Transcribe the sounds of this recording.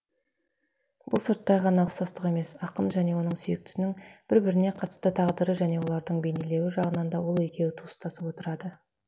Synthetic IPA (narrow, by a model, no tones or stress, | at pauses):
bʊ̰lˠsəɾt̪ːɑjʁɑnɑəqsɑst̪əqe̞me̞sɑqənʒæne̞wo̞nəɴsʏjek̚t̪ʏ̥sɪnɪŋb̥ɪɾbɪɾɪne̞qʰɑt̪ə̥st̪ət̪ʰɑʁd̪əɾəʒæne̞wo̞lˠɑɾd̪əɴbe̞nele̞wɪʒɑʁənɑnd̪ɑwo̞lˠe̞kʲe̞wɪt̪ʰust̪ɑsəpwot̪əɾɑd̪ə